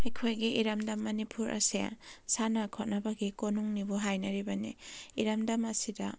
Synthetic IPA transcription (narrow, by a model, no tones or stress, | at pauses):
ɐjkʰojɡiʔiɾɐmdɐmːɐnipʰuɾʔɐ̰sḛsanɐkʰot̚nɐbɐɡikonuŋnibuɦajnɐɾibɐnḭiɾɐmdɐmɐsidɐ̰